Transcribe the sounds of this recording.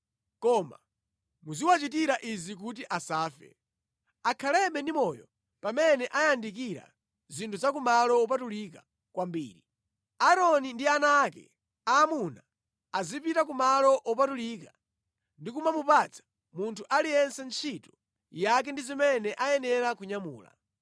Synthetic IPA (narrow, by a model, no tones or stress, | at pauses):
kɔma̰ | muziwat͡ʃit̬iɾaʔizik̬ut̬iʔasaːfɛ̰ | akʰalɛɓɛndimɔːjɔ | pamɛnɛʔajandik̬iɾa̰ | zintʰuzak̬umalɔɔp̬atulik̬a | kwambiːɾi | aɾɔnindianaːkɛ̰ | aːmunaː | zipitakumalɔʔɔpatulika | ndikumamupat͡sʰḁ | muntʰuʔalijɛnsɛnt͡ʃʰitu̥ | jak̬ɛndizimɛnɛʔajɛnɛɾakuɲamṵːla̰